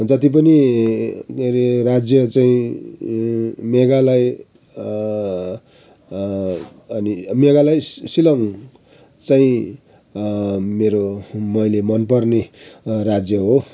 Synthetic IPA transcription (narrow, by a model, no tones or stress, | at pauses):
d͡zʌt̪ip̬ʌni | eɾerad͡zjʌt͡saĩ | meɡalaj | ʌnimeɡalajsilʌŋ | t͡saĩ | meɾomʌjlemʌnpʌrnerad͡zjʌɦo